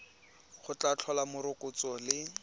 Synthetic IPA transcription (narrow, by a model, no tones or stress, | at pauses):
χʊt͡ɬat͡ɬʰɔlamʊɾʊkʊt͡sɔlɪ